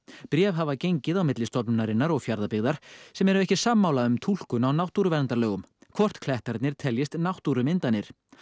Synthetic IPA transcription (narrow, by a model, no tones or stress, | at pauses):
pɾjɛːvɦavacejɲcɪðawmɪt̪lɪst̪ɔpnʏnaɾɪnːaɾɔɣfjaɾðapɪɣðaɾ̥sɛmɛɾʏɛhcɪ̥samːaːwlaʏmt̪ʰul̥kʏnawnawht̪uɾʏvɛɾnt̪aɾlœːɣʏm | kʰvɔr̥t̪kʰlɛht̪aɾt̪nɪɾ̥t̪ʰɛljɪst̪nawht̪uɾʏmɪnt̪anːɪɾ̥